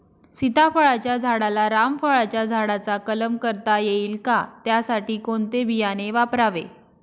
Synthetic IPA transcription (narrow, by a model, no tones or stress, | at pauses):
sit̪afəɭat͡ɕjad͡zʱaɽalaɾamfəɭat͡ɕjad͡zʱaɽat͡sakələmkəɾt̪ajeiːlkat̪jasaʈiːkoɳt̪ebijaneʋapɾaʋe